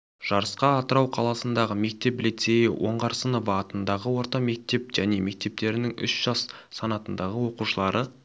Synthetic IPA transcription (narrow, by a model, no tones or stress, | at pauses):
ʒ̥ɑɾəsqɑːt̪əɾɑwqʰɑlˠɑsənd̪ɑʁəme̞k̚t̪e̞plit̪se̞jɪ̰wʔo̞ɴʁɑɾsənəvɑt̪ənd̪ɑʁəwo̞ɾt̪ɑme̞k̚t̪e̞p̚ʒ̥æne̞me̞k̚t̪e̞p̚t̪e̞ɾɪnɪŋʏ̰ʃʒ̥ɑsː | ɑnɑt̪ənd̪ɑʁəwo̞quʃəlˠɑɾʔə